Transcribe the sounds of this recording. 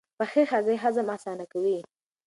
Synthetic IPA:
paxexazeɦazamasɑnakawi

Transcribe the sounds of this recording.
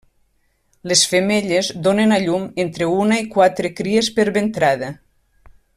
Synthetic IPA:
lesfemeʎezd̪onenaʎument̪ɾeunaikwat̪ɾekɾiespeɾβent̪ɾaðə

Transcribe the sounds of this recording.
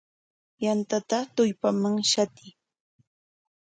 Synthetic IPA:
jant̪at̪at̪ʊjpamaŋʃat̪ɪ

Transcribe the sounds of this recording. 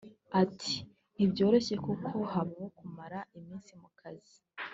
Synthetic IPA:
atʰi̥ | ibɟo̞ːɾe̞ɕe̞kukʰo̞haβawokumaɾaimiːnsimukʰazi

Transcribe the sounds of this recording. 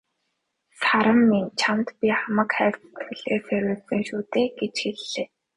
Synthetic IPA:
saɾə̆mːint͡ɕʰamt̪pʲiχamə̆kχæːkt͡st̪xɘ̆ɮeːsæɾʲʊːsɘ̆ŋʃuːt̪eːɡet͡ɕxeɮːeː

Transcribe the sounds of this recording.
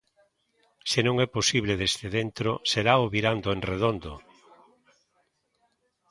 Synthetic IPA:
senõŋɛposiβleðezt̪eðent̪ɾoseɾaoβiɾand̪oẽŋreðond̪o

